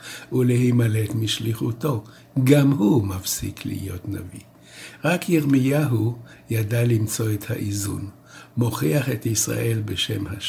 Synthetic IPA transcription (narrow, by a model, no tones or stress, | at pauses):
ulehimaletmiʃliχuto̞ | ɡamhumafsḭklḭhḭjo̞tna̰vḭ | ʁakʰjiʁmijaɦu | jadalimt͡so̞et̪ha̰ʔizṵn | mo̞χiaχet̪isʁa̰ʔe̞lbeʃe̞mha